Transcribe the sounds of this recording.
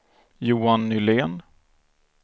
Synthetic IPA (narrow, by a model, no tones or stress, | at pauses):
juːanːʏleːn